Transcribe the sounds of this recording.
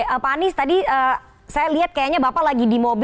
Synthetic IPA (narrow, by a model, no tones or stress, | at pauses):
əpanɪst̪adiəː | sajaliɦat̪̚kajaɲabapalaɡidimob